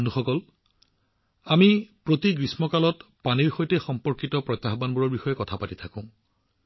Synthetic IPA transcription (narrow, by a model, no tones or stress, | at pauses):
nuxɔkɔl | amipɹotiɡɹismɔkalɔt | paniɹxojtexɔmpɔɹkitɔpɹɔjt̪ːaxbanbuɹɔɹbixɔjɛkɔtʰapatitʰakʊ̃